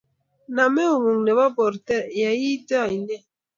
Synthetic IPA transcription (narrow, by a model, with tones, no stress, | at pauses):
na˨mɛ˦u˨ŋu˨ŋnɛ˨ba˦bɔ˨ɾtɛ˦ja˨ji˦da˦˨i˨nɛ˦˨